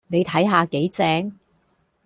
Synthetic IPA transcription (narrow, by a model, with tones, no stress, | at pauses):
ne˨˧jt̪ʰɐ˨˥jɦaː˧ke˨˥jt͡sɛː˧˥ŋ